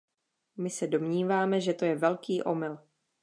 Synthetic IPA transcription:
mɪsɛdo̞mɲiːvaːmɛʒɛt̪o̞jɛvɛlkiːʔo̞mɪl

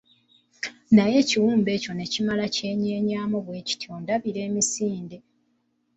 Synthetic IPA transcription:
naje̞ciwuːmbe̞ːco̞ne̞cimalace̞ːɲe̞ːɲaːmoβwe̞ːci̥tiondaβiɾe̞ːmisiːnde̞

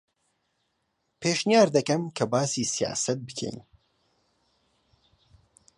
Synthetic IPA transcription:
pʰeːʃnjaːɾd̪ɐkɐmkʰɐbaːsiːsija̰ːsɐt̪̚bɨkʰɛ̰jn

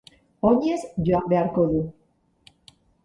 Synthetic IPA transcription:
oɲezʝoambe̞aɾko̞ðu

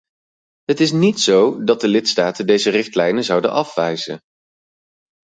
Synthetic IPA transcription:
ɦətɪs̬nitsowdɑt̚dəlɪtstaːtəndejzərɪχtlɛjnəzɑwdə̰nʔɑfʋɛjzə̰n

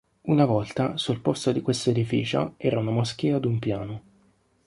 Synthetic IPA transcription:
unavɔlt̪asulpost̪od̪ikwest̪aed̪ifḭːt͡ʃo̰ɛ̰ːɾaunamosk̟iːad̪umpjaːno

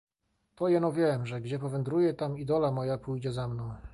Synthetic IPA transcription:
t̪ɔjɛnɔvʲjɛmʐɛɡd͡ʑɛpɔvɛnd̪ɾujɛt̪amid̪ɔlamɔjapujd͡ʑɛzamnɔ̃w̃

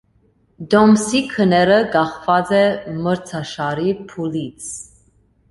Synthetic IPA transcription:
d̪ɔmsikʰənɛɾəɡɑχvɑt͡sɛməɾt͡sʰɑʃɑɾipʰulit͡sʰ

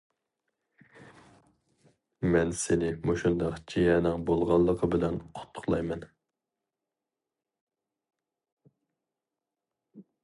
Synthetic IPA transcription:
mɛnsɪnɪmoʃund̪ɑqt͡ʃʰijɛnɪŋbolˠʁɑlˠːəqʰəbɪlɛnqʰʊ̥t̪ʰːʊ̥χlˠɑjmɛn

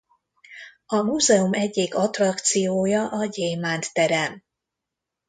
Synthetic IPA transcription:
ɒmuːzɛumɛɟːeːɡɒt̪rɒkt̪sijoːjɒʔɒɟejmaːnt̪ːɛɾɛn

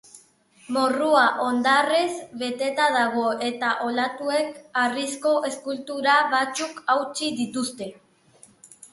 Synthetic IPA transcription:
moruaʔo̞nd̪arezβe̞t̪e̞t̪aðaɣ̞o̞e̞t̪aʔo̞lat̪ue̞karisko̞ʔe̞skult̪uɾaβat͡sukawt͡ʃiðit̪ust̪e̞

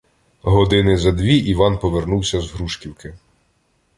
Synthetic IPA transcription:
ɦɔd̪ɪnɪzɐd̪ʋʲiʔiʋɑnpɔʋernuwsʲɐzɦɾuʃkʲiwkɪ

